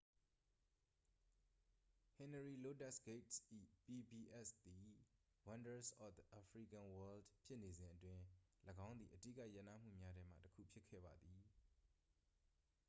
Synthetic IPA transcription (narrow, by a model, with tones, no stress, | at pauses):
hɪ̃˨nəɹi˨lo˦tɛ˦˨sɡ̥e˦tsʔḭ˦˨pi˨bi˨ʔɛ˦st̪i˨ | wã˦ndə˨sʔɔ˦fʔa˨fʰɹi˨kã˨wɛ˦ldpʰjɪ˦ʔne˨zɪ̃˨ʔətwɪ̃˨ləɡã˦ʊ̃nd̪ði˨ʔətḭ˦˨ka˦ʔjɛ˦ʔna̰˦˨m̥ṵ˦˨mja˦ɾɛ˦m̥ä̰˦˨təkʰṵ˦˨pʰjɪ˦kʰːɛ̰˦˨ba˨d̪ði˨